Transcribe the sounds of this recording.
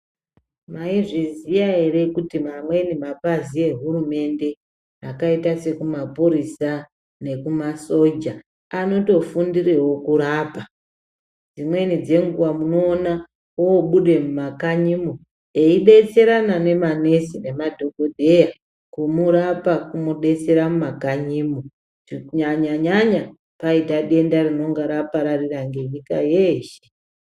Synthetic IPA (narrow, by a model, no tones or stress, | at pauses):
maiʐizijae̞re̞kutimamwe̞nimapazie̞ɦurume̞nde̞ | akaitase̞kumapuɾisa | ne̞kumaso̞d͡ʒa | ano̞to̞fundirewo̞kuɾaːpa | d͡zimwe̞nid͡ze̞ŋɡuʋamuno̞ːna | woːɓuɗe̞mumakaɲimo | eiɗe̞t͡se̞ɾanane̞mane̞sine̞madʱo̞ɡo̞dʱe̞ja | kumuɾapakumuɗe̞t͡se̞ɾamumakaɲiːmo | iuɲaɲaɲaɲa | paitaɗe̞ndarino̞ŋɡaɾapaɾariraŋɡe̞ɲika̰jeːʃe̥